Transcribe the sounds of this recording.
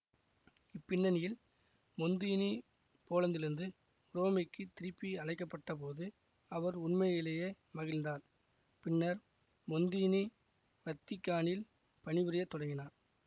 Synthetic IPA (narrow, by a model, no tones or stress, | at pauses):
ɪpːɪɳːɐnɪjɪl | mɔnd̪ini | poːlɐnd̪ɪɾɯnd̪ɯ | ɾoːmɪkːɯt̪ɪɾɯpːiɐɻɐɪkːɐpːɐʈːɐpoːðɯ | ɐʋɐɾʊɳmɐjɪlɐjeː | mɐɣɪlnd̪aːɾ | pɪnːɐɾ | mɔnd̪ini | ʋɐt̪ːɪkːaːɳɪl | pɐɳɪʋɪɾɐjɐt̪ːɔɽɐŋɡɪnaːɾ